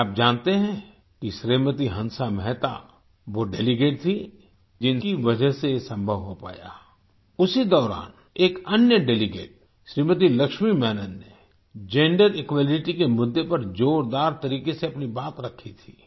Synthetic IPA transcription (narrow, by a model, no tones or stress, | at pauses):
aːp̚d͡ʒaːnt̪eɦɛ̃ | kiʃɾeːmət̪iɦɐ̃nsamɛɦt̪a̰ | ʋoɖeːliɡeːʈ̚t̪ʰi | d͡ʒɪnkiʋɐd͡ʒəɦsesɐ̃mbʱəʋɦopa̰ːja̰ː | ʊsid̪ɔːɾa̰ːn | eːkɐnjəɖeːliɡḛːʈ̚ | ʃɾiːmət̪̬ilɐkʃmimɛːnənːe | d͡ʒẽːɳɖəɾɪkwaːlɪʈikemʊd̪ːepɐɾd͡ʒoːɾd̪aːɾt̪ɐɾiːkeseɐpnibaːt̪ɾɐkʰːit̪ʰiː